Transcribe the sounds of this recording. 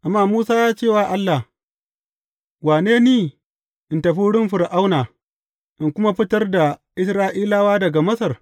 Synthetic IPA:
ʔa˨mːaː˦˨muː˦saː˦jaː˦t͡ʃeː˦˨waː˦˨ʔa˦lːa˨h | waː˨neː˦niː˦ | ʔɪ˨ntɐ˨ɸiː˦ɽɪ˦mɸɪ˨ɾʔa˦wnaː˨ | ʔɪ˨ŋkʷʊ˦ma˦ɸɪ˦tɐ˦rda˨ʔɪ˦sɾaː˦ʔiː˦laː˦waː˦dɐ˨ɡa˨mɐ˦sɐ˨r

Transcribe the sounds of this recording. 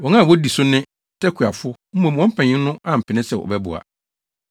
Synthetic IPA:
wɔ̃˨ŋã˦˨wɔ˦di˨sʊ˦nɪ̃˦ | tʰɛ˦kʰu˨a˨fʊ˦ | m̩˦mɔ̃˨m˨wɔ̃˦m̩˦pʰɛ̃˨ɲɪ̃˦nʊ̃˦ʔã˨m̩˨pʰɪ˨nɪ̃˦sɛ˦˨ʔɔ̰˨bɛ˦bʊ̰˨a̰˨

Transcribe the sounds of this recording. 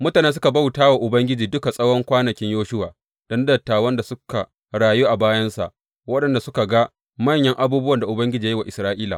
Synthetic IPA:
mʊ˦taː˨ne˦s̬ʊ˦ka˨ba˦wtaː˦wa˨ʔʊ˨bɐ˦ŋɡʲɪ˦d͡ʒiː˨dʊ˦ka˨sʼɐ˦wɔ˦ŋkʷaː˦nɐ˨kʲɪ˦ɲjoː˦ʃʊ˦waː˨ | d̥ɔ˦ndɐ˨tːaː˨wɐ˦nda˨sʊ˦ka˨ | ɽaː˨juː˦ʔa˨baː˦jɐ˦nsa̰˨ʔ | wɐ˦ɗɐ˨nda˨sʊ˦ka˨ɡa˦ | mɐ˦˨ɲjɐ˦ŋʔa˦buː˦bʊ˦wɐ˨nda˨ʔʊ˨bɐ˦ŋɡʲɪ˦d͡ʒiː˨˦wa˨ʔɪ˨sɾaː˦ʔiː˦la̰˨

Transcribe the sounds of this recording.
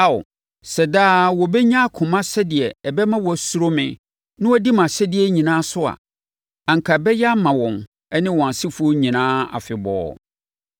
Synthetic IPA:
a˦˨ʊ̰˨ | sɛ˨daː˦wɔ˨bɛ˦ɲã˦kʰʊ̃˨mã˦sɛ˦dɪ˨ɛ˨ɛ˨bɛ˦mã˦wɔ˨su˦ɾo˦mɪ̃˨ | nɪ̃˦wɔ˦di˦mã˨ɕɛ˦dɪ˨˦ɛ˦ɲĩ˨nãː˦sʊ˦a̰˨ | ã˨ŋ̩˨kʰa˨bɛ˦ja˦mã˨wɔ̃˨m | ɛ˦nɪ̃˦wɔ̃˨a˨sɪ˦fu˦o˦ɲĩ˨nãː˦a̰˨fɪ˨bɔ̰ː˦

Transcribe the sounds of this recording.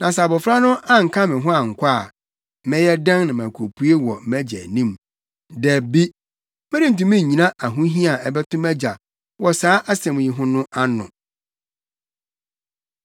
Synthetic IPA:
nã˨sa˨bɔ˨fɾa˦nʊ̃˦ʔa˦ŋ̩˨kʰa˦mɪ̃˨ɦʊ̃˦a˨ŋ̩˨kʷʰa˦˨ | mɛ̃˦jɛ˦dã˦ŋ˦nã˨m˨ã˨kʰo˨pʰu˦e˦wɔ˨mɛ˦d͡ʑɛ̰˨nĩ˦m | dɛ˨bi˦ | mɛ̃˦ɾi˦n̩˨t̬ũ˨mɪ̃˦˨ɲĩ˨ã˦ʔa˨ɦũ˦ɦĩ˦a˨ɛ˨bɛ˦tʰʊ̃˦mɛ˦d͡ʑa˨ | wɔ˨saː˦ʔa˦sɛ̃˨m˨ji˨ɦʊ̃˦nʊ̃˦ʔa˦nʊ̰̃˨

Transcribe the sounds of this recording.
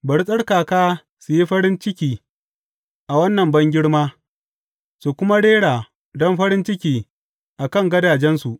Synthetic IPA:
bɐ˨ɽsʼɐ˦ɽkaː˨kaː˦ | su˨ji˦ɸɐ˦ɾɪ˦nt͡ʃɪ˦kʲiː˦ | ʔa˨wɐ˦nːɐ˨mbɐ˦ŋɡʲɪ˦ɽmaː˦ | su˨kʷʊ˦ma˦ɽeː˦ɽaː˨ | dɔ˦mɸɐ˦ɾɪ˦nt͡ʃɪ˦kʲiː˦ | ʔa˨kɐ˦˨ŋɡɐ˦daː˨d͡ʒɛ˦nsu˨ʔ

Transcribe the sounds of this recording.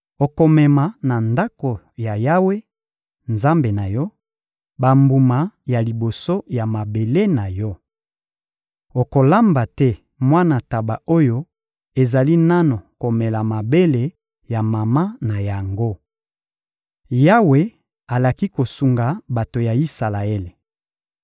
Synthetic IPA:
o˨ko˨mɛ˨ma˨na˨nda˦ko˨ | ja˨ja˦we˦ | nza˦mbe˨na˨jɔ˦ | ba˨mbu˨ma˨ja˨li˨bo˨so˦ja˨ma˨be˨le˦na˨jɔ˦ | o˨ko˨la˦mba˨tɛ˦ | mwa˦na˨ta˨ba˨o˦jo˦ | e˨za˨li˦na˦no˨ko˨me˨la˨ma˨be˦le˨ | ja˨ma˨ma˦na˨ja˨ŋɡo˦ | ja˦we˨˦ | a˨la˨ki˦ko˨su˨ŋɡa˨ba˨to˨ja˨i˦sa˨la˨e˦le˨

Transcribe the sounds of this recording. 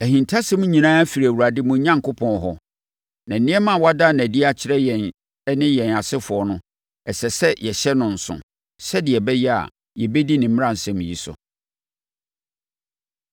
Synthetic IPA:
æ˨hĩ˨ntʰa˦sɛ̃˦mũ˦ɲĩ˨nãː˦fi˨ɾæ˨u˨ɾa˨dɪ˦mʊ̃˨˦ɲã˦ŋ˨kʰʊ˦pʰɔ̃˨n˨ɦɔ˦ | nã˨n̩˨nɪ̃˦ɛ˦mã˦˨wa˦da˦˨nã˨di˦a˦t͡ɕʰɪ˦ɾɛ˦jɛ˨n˦ | nɪ̃˦jɛ̃˨na˨sɪ˦fʊ˨ɔ˨˦nʊ̃˦ | ɛ˨sɛ˨sɛ˦jɛ˨ɕɛ˦nʊ̃˨n̩˨sʊ̰̃˨ | sɛ˦dɪ˨ɛ˨bɛ˦jɛ˦a̰˨ | jɛ˨bɛ˦di˦nɪ̃˨m̩˦m̃˦ã˦n˨sɛ̃˦m̃˨ji˦sʊ̰˨

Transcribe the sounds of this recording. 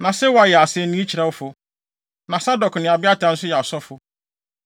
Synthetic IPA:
nã˨sɛ˦wɔ˨˦a˨jɛ˨a˨sɪ˦ɛ˦nĩ˦t͡ɕʰi˨ɾa˨wʊ˦fʊ˦ | nã˨sa˦dɔ˨knɪ̃˨a˨bɪ˦a˦tʰã˨n̩˦sʊ˦jɛ˨a˨sɔ˦fʊ˨

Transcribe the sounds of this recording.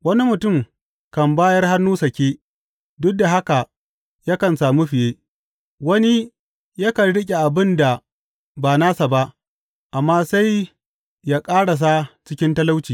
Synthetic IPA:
wɐ˦ni˦mʊ˨tʊ˦˨m | kɐ˨mbaː˦jɐ˦rha˦nːuː˦sɐ˨kʲeː˦ | dʊ˦k̚da˨ɦa˦ka˨ | ja˦kɐ˨nsaː˨mu˦ɸɪ˨jeː˦ | wɐ˦ni˦ | jɐ˦kɐ˨nɽɪ˦kʲʼe˨ʔa˨bɪ˦nda˨ | baː˨naː˦sa˨ba˦ʔ | ʔa˨mːaː˦sa˦j | jaː˦kʼaː˦ɽa˨s̬a˦t͡ʃɪ˦kʲɪ˦ntɐ˦la˦wt͡ʃiː˨

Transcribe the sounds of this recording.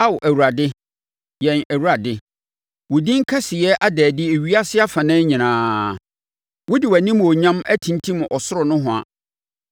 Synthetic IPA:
a˦wʔæ˨wu˨ɾa˨dɪ˦ | jɛ̃˨næ˨wu˨ɾa˨dɪ˦ | wʊ˨dĩ˦ŋ̩˦kʰa˦sɪ˨jɛ˦ʔa˦dɛː˨dɪ˦e˨ɥi˦a˦sɪ˦a˦fã˨nɛ̃ː˦ɲĩ˨nãː˨ | wʊ˦dɪ˨wæ˨nĩ˦m˨ɔ˨ɲã˦mæ˦tʰĩ˨ntʰĩ˦m˨ʔɔ˨sʊ˦ɾɔ˨nʊ̃˦ɦʊ̃˨a̰˨

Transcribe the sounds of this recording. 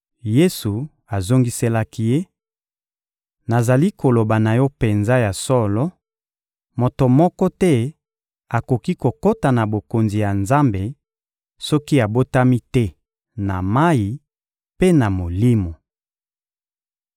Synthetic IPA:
je˦su˨ | a˨zo˦ŋɡi˦se˦la˦ki˦je˦ | na˨za˨li˦ko˨lo˨ba˨na˨jɔ˦pe˨nza˦ja˨sɔ˦lɔ˦ | mo˨to˨mɔ˦kɔ˦tɛ˦ | a˨ko˨ki˦ko˨ko˦ta˨na˨bo˨ko˨nzi˨ja˨nza˦mbe˨ | sɔ˦ki˦a˨bo˦ta˦mi˦tɛ˦ | na˨ma˦ji˨ | pe˦na˨mo˨li˦mo˨

